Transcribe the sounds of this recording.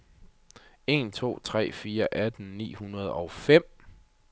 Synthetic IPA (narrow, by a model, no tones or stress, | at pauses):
e̝nt͡sʰo̝̰ːt͡sʰʁɛ̰ːfiːɐʔæd̥n̩nḭːhunɐð̞ˠɒ̽ʊfem̰